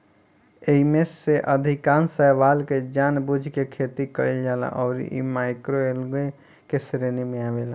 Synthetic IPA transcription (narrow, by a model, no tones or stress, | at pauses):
eɦimeseʔəd̪ʱikansəɦʋalked͡ʒanbud͡ʒʱkekʰet̪ikəjld͡ʒala̰ʔɔːɾḭʔḭmaekɾoelɡe | kesɾenimeabela